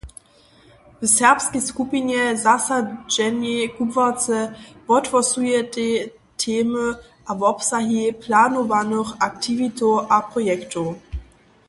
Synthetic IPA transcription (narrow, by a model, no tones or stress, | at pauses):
vəsɛʁpskɛskupinjɛzasad͡ʒɛnjɛkubvat͡sɛvɔtvɔsujɛte | tʰeːmə | ʔavɔpsaɦipʰlaːnɔvanəxak̚tʰivitoʔapʁɔjɛktʰo